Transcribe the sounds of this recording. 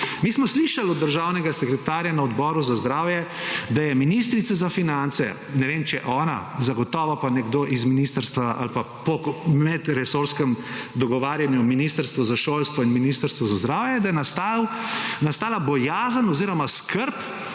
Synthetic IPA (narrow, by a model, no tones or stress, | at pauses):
miːsmɔsliʃalɔd̪ːəɾʒaːwnɛɡasɛkɾɛt̪aːɾjanaɔd̪bɔːɾuzazd̪ɾaːwjɛd̪ajɛminis̬t̪ɾit̪sazafinant̪sɛ̰ | nɛʋemt͡ʃɛ̰ʔɔːna̰zaɡɔt̪ɔːʋɔpanɛɡd̪oʔizminist̪əɾst̪ʋaʔa̰lpa | pɔmɛd̪ɾɛsoɾskɛmd̪ɔɡɔʋaːɾjanjuminist̪əɾst̪ʋɔzaʃoːlst̪ʋɔinminist̪əɾst̪ʋɔzazd̪ɾaːwjɛd̪ajɛnast̪awnast̪aːlabɔjaːzənɔziːɾɔmaskʰəɾp